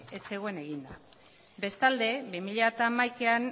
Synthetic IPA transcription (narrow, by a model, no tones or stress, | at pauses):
ese̞ɣ̞o̞e̞ne̞ɣind̪a | be̞st̪ald̪e̞βimiʎeat̪aːmajkean